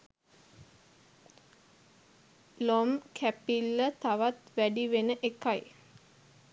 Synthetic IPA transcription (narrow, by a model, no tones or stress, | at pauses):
lomkʰæpilːət̪aʋat̪ʋæɖiʋenəʔekaj